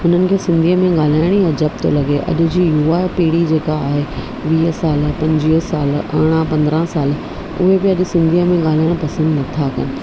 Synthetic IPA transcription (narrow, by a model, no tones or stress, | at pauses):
ʊn̤ənɪ̆kʰeːsɪ̃nd̪ʱiːəmẽɠaːl̤aːɪɽ̃iɐd͡ʑɐp̚t̪o̰lɐɠeʔɐ̰ʄʊ̆d͡ʑiːjuaːpiːɽid͡ʑeːkaːɦe | ʋiːsaːlpɐ̃ɲd͡ʑiːsaːlɐɽ̃ãpɐ̃nd̪ɾə̃saːl | ʊ̰ɦebɪɐʄʊ̆sɪ̃nd̪ʱijəmẽɠaːl̤aːɪɽ̃pɐsə̃nd̪nɐt̪ʰakɐnɪ̆